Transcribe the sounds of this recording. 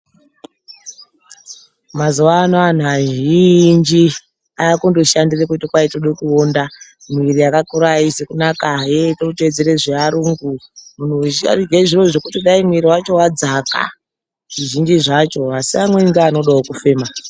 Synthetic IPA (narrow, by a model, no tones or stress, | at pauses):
mazuʋaːnoan̤aʒind͡ʒi | aakundoʃandirekutikwaitoɗekuonda | miiɾiakakuɾaisekunakajetoute̞d͡zeɾeʐeaɾuŋɡumun̤ua̰riɡeʐiro̞ʐe̞kutiɗaimuiɾiwat͡ʃo̞wad͡zaka̰ | ʐ̥iʒind͡ʒiʐat͡ʃo̞asiamweŋɡaːno̞ɗaokufe̞ːma